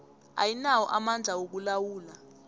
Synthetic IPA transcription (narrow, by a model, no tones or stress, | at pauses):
a̰jinawɔʔamand͡ɮʱawok̬ulawuːla